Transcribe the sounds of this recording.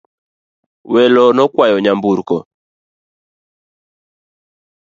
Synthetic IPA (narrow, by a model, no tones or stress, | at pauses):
wɛlɔnɔkwajɔɲambuɾkɔ